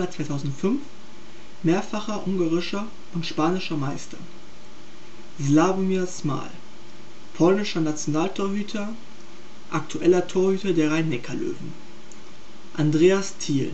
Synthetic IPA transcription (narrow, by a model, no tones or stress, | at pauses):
aɐt͡sv̥aɪtʰaʊzn̩tfʏnf | meːɐfaχɐʔʊŋɡaːʁɪʃɐ | ʔʊntʃpaːnɪʃɐmaɪstʰɐ | zlaːbomisma̰ːl | pʰɔlnɪʃɐnat͡sjonaːltʰoːɐhyːtʰɐ | ʔak̚tʰuʔɛlɐtʰoːɐhyːtɐdeːɐʁaɪnːɛkʰɐlø̰ːvn̩ | ʔandʁeːastʰiːl